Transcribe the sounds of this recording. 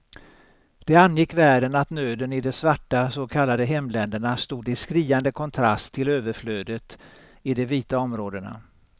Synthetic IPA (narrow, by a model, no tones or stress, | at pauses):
d̪̥ɛanːjɪkːvæːɖənat̪nøːd̪ənɪd̪ɛsvaʈːasokʰalːad̪əɦɛmːlɛnd̪əɳast̪uːd̪ɪskɾiːand̪əkʰɔnt̪ʰɾa̰st̪ʰːɪløːvəɾfløːd̪ət̪ | ɪd̪ɛviːt̪aɔmɾoːd̪əɳa̰